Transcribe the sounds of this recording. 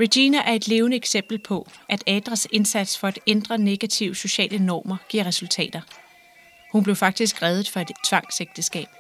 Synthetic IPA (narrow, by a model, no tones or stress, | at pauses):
ʁed̥iːnæʔæɐe̝d̥le̝ːʊnəeɡ̥sem̰b̥l̩pʰɒ̽ʔæd̥ɛːd̥ʁɐse̝nsæd̥sfɒ̽æd̥end̥ʁɐne̝ɡ̥æt͡sʰiʊ̰so̝ɕɛ̰ːlənɒ̰ːmɐɡ̥iɐ̰ʁɛsult͡sʰɛ̰ːd̥ɐ | hunb̥le̝ʊfɑ̈ɡ̥̚d̥is̬ɡ̥ʁɛːðˠð̩ˠfɒ̽e̝d̥t͡sʰʋɑ̈ŋ̰seɡ̥̚d̥əsɡ̥ɛ̰ːb̥